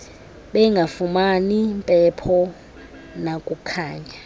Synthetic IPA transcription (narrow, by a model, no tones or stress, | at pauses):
ɓɛŋɡʱafumanimpʼɛpʰɔ | nakʼukʰaːɲa